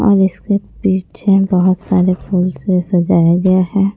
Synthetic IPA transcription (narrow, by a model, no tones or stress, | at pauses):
ɔ̰ːɾɪskepiːt͡ʃʰebɐɦʊt̪saːɾepuːlsesɐd͡ʒaːjaɡɐjaɦɛː